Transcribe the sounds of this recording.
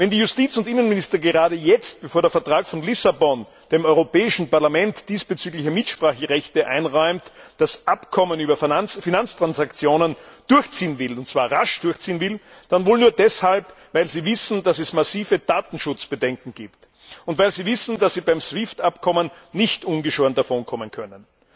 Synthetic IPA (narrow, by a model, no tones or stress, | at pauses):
vɛndiːjʊstiːt͡sʊntʔɪnənmɪnɪstɐɡəʁaːdɾəjɛt͡st̚b̥əfoːɐdɛɐfɛɐtʁ̥aːkfɔnlɪsabɔn | d̥eːmɔʏʁopɛːɪʃn̩paɐlamɛntd̥iːsb̥ət͡syːɡlɪçəmɪtʃpʁ̥aːxəʁɛçtəʔa̰ɪnʁɔʏmtd̥asʔapkʰɔmənyːbɐffinant͡stʁ̥ansakt͡sjoːnənd̥ʊɐçt͡siːənvɪlʊnt̚t͡sːv̥aːɐʁaʃd̥ʊɐçt͡siːənvɪld̥anvoːlnuːɐdɛshalpvaɪlziːvɪsn̩dasɛsmasiːvəd̥aːtn̩ʃʊt͡sb̥ədɛŋkŋ̩ɡ̥iːpt | ʊntvaɪlziːvɪsn̩dasz̥iːbaɪmsvɪftapkʰɔmənː | ɪçtʔʊnɡəʃoːɐndafɔnkʰɔmənkʰœnən